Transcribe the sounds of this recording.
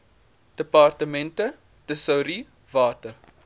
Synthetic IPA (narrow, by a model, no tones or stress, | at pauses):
d̥əpɑrtəmɛntə | təsɐwɾi | vɑːtər